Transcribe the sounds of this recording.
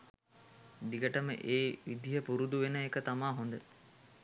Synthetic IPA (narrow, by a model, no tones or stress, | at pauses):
d̪iɡəʈəmə̰ʔeːʋid̪iɦəpuɾud̪uʋenəekət̪amaːɦond̪ə